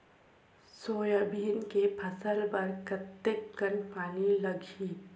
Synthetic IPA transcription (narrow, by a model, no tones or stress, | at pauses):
soːjəbʱiːnkepʰɐsəlpɐɾkɐt̪ːekːənpaːnilɐɡʱiː